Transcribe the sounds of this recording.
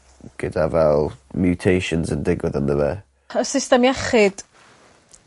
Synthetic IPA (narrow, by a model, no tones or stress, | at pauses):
ɡ̥ɪdavɛlˠmjutʰejʃənzəndɪɡwəðənðəwɛ | əsɪstɛmjaχɪd̥